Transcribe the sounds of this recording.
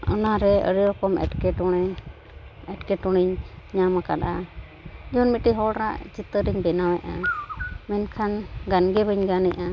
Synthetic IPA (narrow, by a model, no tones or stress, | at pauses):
ə̰naɾɛə̰ɾiɾɔkɔmɛ̰ʈkɛʈɔɽ̃ɛ | ɛʈkɛʈɔɽ̃iɲɲamakaɗa | d͡ʒunmitiɦɔɽɾa̰ʔd͡ʒit̪əɾiɲbɛnawɛʔa | mɛnkʰanɡanɡɛbəɲɡanɛʔa